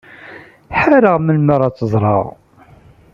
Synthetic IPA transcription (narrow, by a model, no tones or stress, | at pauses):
ħæɾəʁməlməɾˤɑt͡sːəzˤɾˤɑ̰ʁ